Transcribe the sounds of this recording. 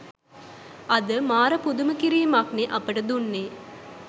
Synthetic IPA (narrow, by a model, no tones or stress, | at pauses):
ɐd̪əmaːɾɐpud̪umɐkiɾijmakneʔɐpəʈɐd̪unːeː